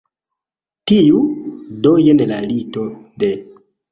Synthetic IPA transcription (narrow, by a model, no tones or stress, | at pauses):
tijudojendelalitode